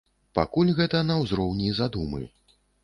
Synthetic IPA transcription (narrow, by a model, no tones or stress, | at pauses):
pa̰kulʲɣɛt̪ɐnɐwzɾɔwnʲizad̪umɨ̰